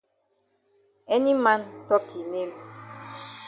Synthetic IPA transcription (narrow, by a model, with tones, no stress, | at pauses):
ɛ˦ni˦ma˦ntɔ˦kʰi˨ne˦m